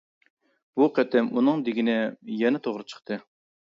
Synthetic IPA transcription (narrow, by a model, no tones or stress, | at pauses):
b̥uqʰɛt̪ɛmunɨŋd̪ɪɡʲinɪjɛnɪt̪ʰoʁɾɨt͡ʃʰə̥χt̪ʰɨ